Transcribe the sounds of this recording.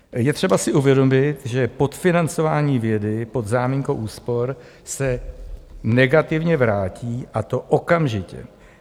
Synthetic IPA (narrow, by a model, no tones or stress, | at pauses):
jɛt̪r̝̥ɛbasɪʔuvjɛdo̞mɪt̪ʒɛpo̞t̪fɪnant͡so̞vaːɲiːvjɛdɪpo̞d̪zaːmiɲkowʔuːspo̞ɾ | sɛ | nɛɡat̪ɪvɲɛvɾaːciːʔat̪o̞ʔokamʒɪcɛ̰